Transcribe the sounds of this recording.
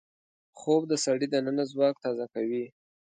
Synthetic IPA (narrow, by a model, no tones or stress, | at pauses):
xob̚d̪əsaɽid̪ənənazwɑk̚t̪ɑzakawi